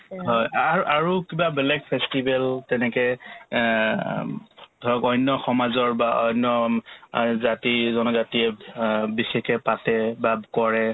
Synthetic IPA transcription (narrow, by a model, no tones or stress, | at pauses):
ɦɔjaʔaɹukibabɛlɛɡ̚pʰɛstibɛltɛnɛkɛ | dʱɔɹɔkɔjnjɔxɔmazɔɹbaɔjnɔ | zatizɔnɔzatiɛbixɛkɛpatɛbabkɔɹɛ